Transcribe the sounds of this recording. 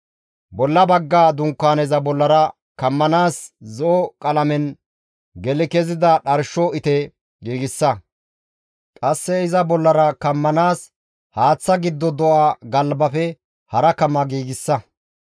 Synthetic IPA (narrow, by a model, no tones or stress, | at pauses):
bɔlːɐbɐɡːaːd̪ʊŋkːaːnɛzɐbɔlːɐɾɐ | kɐmːɐnaːszɔɔkʼɐlɐmɛn | ɡɛlɪkɛzɪd̪ɐɗɐɾʃɔɪt̪ɛ | ɡiːɡɪsːɐ | kʼɐsːɛɪzɐbɔlːɐɾɐkɐmːɐnaːs | haːt͡sːɐɡɪd̪ːɔd̪ɔʔaɡɐlbɐfɛ | hɐɾɐkɐmːɐɡiːɡɪsːɐ